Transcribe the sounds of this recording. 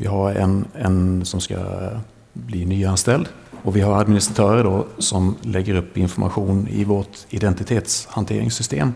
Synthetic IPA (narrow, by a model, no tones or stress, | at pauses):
vɪ̰ɦaɾɛ̰nɛnsɔmska̰ | bliːnyːanst̪ɛld̪ | ɔvɪɦaɾad̪mɪnɪst̪ɾat̪ʰœːɾəɖɔsɔmlɛɡːəɾɵpːɪnfɔɾma̰ɧuːnɪ̰vɔʈɪd̪ɛnt̪ɪt̪ʰeːt̪shant̪ʰeːɾɪŋsʏst̪ḛːm